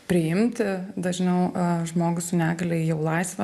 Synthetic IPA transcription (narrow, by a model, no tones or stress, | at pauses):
pʲɾʲɪjɪmʲt̪ʲɪd̪ɐʒʲnʲɛʊʒmoːɡʊsʊnʲæːɡɐlʲɛɪjɛʊlˠɐɪsʋɐ